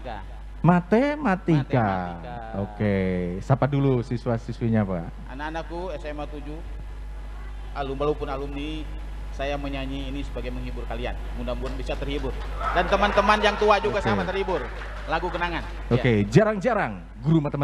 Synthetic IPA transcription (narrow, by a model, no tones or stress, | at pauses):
a | mat̪emat̪ika | okesapadulusisuasisuaɲaːpaa̰ | a̰naːnakuɛsemat̪ud͡ʒu | alʊmbalawpʊnalʊmni | sajaməɲaɲiːnisəbaɡajməŋibʊrkalia̰n | mundambuanbisat̪ərhibʊr | dant̪əmant̪əmanjaŋt̪uad͡ʒuɡasaat̪ərhibʊr | laɡukənaŋan | oked͡ʒaɾaŋd͡ʒaɾaŋ | ɡɾumat̪əma